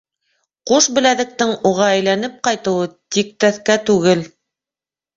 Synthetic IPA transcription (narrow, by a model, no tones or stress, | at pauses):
quʃbɘ̆læðɘ̆k̚t̪ɘŋuʁɑæjlænɘp̚qɑjt̪ɤ̆wɤt̪ik̚t̪æθkæt̪ʉɣɘl